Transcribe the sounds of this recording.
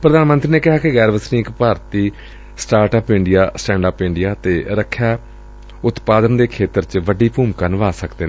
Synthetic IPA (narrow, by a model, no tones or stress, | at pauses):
pɾəd̪aːnmənt̪ɾiːneːkɪɦaːkɪɣɛːɾʋəsnĩːkpaːɾt̪iː | sʈaːɾʈəːpɪɳɖɪjaːsʈɛ̃ːɳɖaːpɪ̃ɳɖɪjaːt̪eːɾəkʰːjaː | ʊt̪paːd̪ənd̪eːkʰeːt̪əɾt͡ʃʋəɖiːpuːmkaːnəʋaːsəkd̪eːne